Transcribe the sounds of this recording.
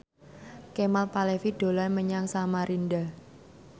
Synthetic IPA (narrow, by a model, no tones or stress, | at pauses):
kemalpalefid̥o̤lanməɲaŋsamaɾʔinɖa